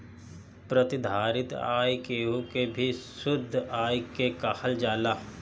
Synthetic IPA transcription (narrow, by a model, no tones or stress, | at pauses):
pɾət̪ɪd̪ʱaːɾɪt̪a̰ːjkeːukebʱisʊd̪ʱːaːjkekaːhəld͡ʒaːlaː